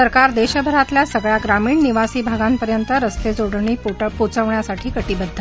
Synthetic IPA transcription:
əɾkaɾd̪eɕəbʱəɾat̪ljasəɡɭjaɡɾamiːɳniʋasiːbʱaɡampəɾjənt̪əɾəst̪ed͡zoɽɳiːpput͡səʋɳjasaʈʰiːkəʈibəd̪ʱːə

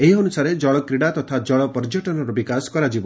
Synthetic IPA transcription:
eɦiɔnusaɾed͡ʒɔɭɔkɾiɽat̪ɔt̪ʰad͡ʒɔɭɔpɔɾd͡ʒɔʈɔnɔɾɔbikasɔ̥kɔɾad͡ʒibɔ

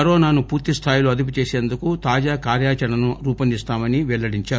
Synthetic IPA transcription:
ɐɾɔːnaːnupuːɾt̪ist̪ʰaːjiloːɐd̪ip̬ut͡ʃe̞ːse̞ːnd̪ukut̪aːd͡ʒaːkaːɾjaːt͡ʃɐnɐnuɾuːpɐnd̪ist̪aːmɐniʋɛɭːɐɽiɲt͡ʃaː

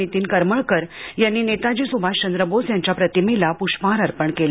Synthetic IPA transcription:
it̪iːnkəɾməɭkəɾjanːiːnet̪ad͡ʑisubʱaɕt͡ɕənd̪ɾəbosjãɲt͡ɕjapɾət̪imelapuɕpaɾəɾpəɳkel

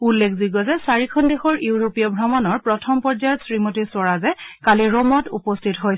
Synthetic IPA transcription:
ulːekʰziɡɔzɛsaɹikʰɔndexɔɹjuwɹopijɔbʱɹɔmɔnɔɹpɹɔtʰɔmpɔɹzajɔtsɹimotiswɔɹazɛkaliɹɔmɔtṵpɔstʰitɦojs

